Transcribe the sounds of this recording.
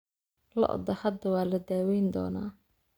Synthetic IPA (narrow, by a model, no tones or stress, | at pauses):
lɐ̰ʔɔ̰d̪ɐhɐd̪ɐwɑːlɐd̪aːwɛjnd̪ɔ̰ːna̰ː